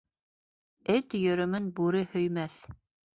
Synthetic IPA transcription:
ɘt̪jɵ̆ɾɵ̆mɘnbuɾɘhɵ̆jmæθ

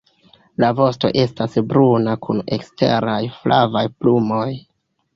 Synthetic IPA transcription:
lavo̞sto̞̰ʔe̞stasbɾunakʰune̞̰kste̞̰ɾajflavajplumo̞j

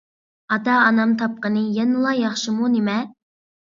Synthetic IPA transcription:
ɑd̪ɑːnɑmt̪ʰɑp̚qənɨjɛnɨlˠɑjɑχʃimunɪmɛ

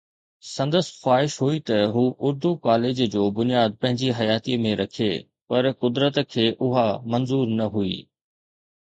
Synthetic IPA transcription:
sɐ̃nd̪əsxwaːɦɪʃɦuit̪ɐɦuːʔʊɾd̪ukaːleːd͡ʑd͡ʑoːbʊnijaːd̪̚pɐ̃ɦɪ̃ɲd͡ʑiɦɐjaːt̪imẽɾɐkʰe | pɐɾkʊd̪ɾət̪kʰeːʔʊɦamɐnzuːɾnɐɦuḭː

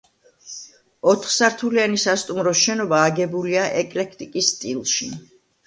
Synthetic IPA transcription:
ɔt̪ʰχsaɾt̪ʰulianisast̪ʼumɾɔʃɛnɔbaːɡɛbuliaʔɛkʼlɛkʰt̪ʼikʼisːt̪ʼilˠʃi

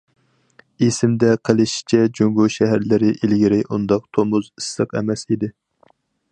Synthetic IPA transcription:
esɪmd̪ɛqʰəlˠɨʃi̥t͡ʃʰɛd͡ʒoŋɡuʃɛɦæɾlɪɾɪʔilɡʲiɾɪʔund̪ɑq̚t̪ʰomʊzɨsləqɛ̰mɛsid̪ɪ

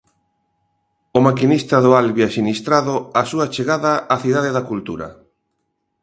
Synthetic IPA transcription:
ʊmakinist̪ɐðʊalβiasinist̪ɾaðʊasuat͡ʃeɣaðaːθiðaðeðakult̪uɾɐ̰

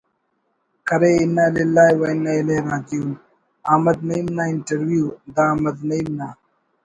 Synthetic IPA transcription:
kɐɾeɪnːalilːaːiwɐinːaileːɾãːt̪iun | aːmɐd̪nɐimnaːɪɳʈɐɾwjuːd̪aːmɐd̪nɐimnaː

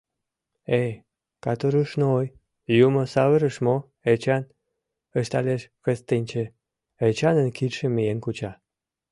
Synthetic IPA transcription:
e | kɑt̪oɾuʃnooj | jumosɑβəɾə̆ʃmo | et͡ɕɑn | əʃt̪aleʃkəst̪enʲt͡ɕe | et͡ɕɑnənkit̪ʃĕmijenkut͡ɕɑ

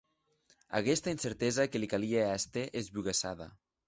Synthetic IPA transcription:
a̰ɣɛst̪ainseɾt̪ɛzakelikalieast̪eʔezβuɣesa̰ða̰

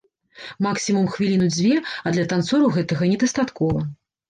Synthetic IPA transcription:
maksʲimumxvʲilʲinud͡zʲvʲɛɐd̪lʲɐt̪ant̪sɔɾuɣɛt̪ɐɣɐnʲɛd̪ɐst̪at̪kɔvɐ

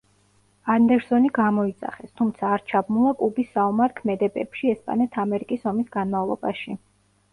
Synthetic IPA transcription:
and̪ɛɾsɔniɡamɔit̪sʼa̰χɛst̪ʰumt̪sʰaːɾt͡ʃʰabmulˠakʼlubisːaumaɾkʰmɛd̪ɛbɛpʃiɛspʼa̰nɛt̪ʰamɛɾikʼisɔmisɡ̥anmavlˠɔ̰baʃi

